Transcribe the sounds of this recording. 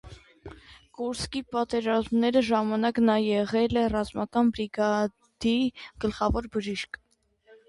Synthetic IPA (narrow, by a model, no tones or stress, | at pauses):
kuɾskipɑt̪ɛɾɑzmnɛɾəʒɑmɑnɑknɑjɛʁɛlɛrɑzmɑkɑnbɾiɡɑ | d̪̥iɡ̥əlχɑvɔɾbəʒiʃkʰ